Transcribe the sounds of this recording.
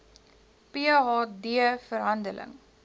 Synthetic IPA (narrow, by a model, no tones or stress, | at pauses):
peɦɑːdiəfəɾɦɐndəlʔə̰ŋ